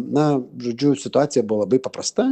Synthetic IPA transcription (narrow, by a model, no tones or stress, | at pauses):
nɐʒʊd͡ʒʲusɪt̪ʊɑt͡sʲijɐbʊlˠabɪpɐpɾɐst̪a